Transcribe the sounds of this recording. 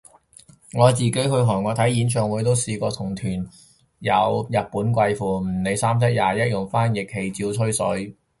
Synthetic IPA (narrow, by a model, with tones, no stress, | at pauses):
ŋɔː˨˧t͡siː˨ke˨˥jɦɵ˧ɥɦɔː˨˩ŋɔː˨˧t̪ʰɐ˨˥jiː˨˥nt͡ʃʰœː˨ŋwuː˨˥jt̪o˥wsiː˧kɔː˧t̪ʰʊ˨˩ŋt̪ʰyː˨˩n | jɐ˨˧wjɐ˨t̚puː˨˥nkʷɐ˧jfuː˨˩m̩˨˩ne˨˧jsaː˥mt͡sʰɛ˥k̚jaː˨jɐ˥t̚jʊ˨˩ŋfaː˥njɪ˨k̚he˨˧˩jt͡siː˧wt͡sʰɵ˥ɥsɵ˨˥ɥ